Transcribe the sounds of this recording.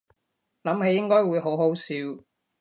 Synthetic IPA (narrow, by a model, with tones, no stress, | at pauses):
lɐ˨˥mɦe˧jːɪ˥ŋkɔː˥jwuː˨˧jɦo˨˥wɦo˨˥wsiː˨˧w